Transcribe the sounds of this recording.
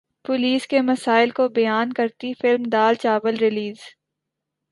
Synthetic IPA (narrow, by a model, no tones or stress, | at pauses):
pʊliːskemɐsaːɪlkobɐjaːnkɐɾt̪ifɪlmd̪aːlt͡ʃaːbəlɾɪliːz